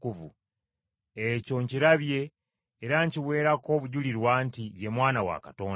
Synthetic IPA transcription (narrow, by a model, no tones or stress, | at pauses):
kuvṵ | eco̞ɲciɾaβjeː | ɾaɲciwe̞ːɾako̞ːβuɟuliɾwaːntiβje̞mwaːnawa̰kato̞ːn